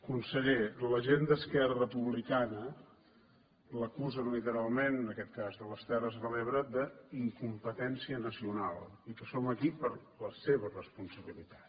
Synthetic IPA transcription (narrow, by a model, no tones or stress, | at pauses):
kunsəʎeləʒend̪əskɛɾərəpuβlikanə | ləkuzəlit̪əɾalˠmenənəkɛt̪̚kazðələst̪ɛrəzβəleβɾəd̪əiŋkumpət̪ɛnsiənəsiunalˠ | ikəsoməkipəɾləseβərəspunsəβilit̪ḁt̪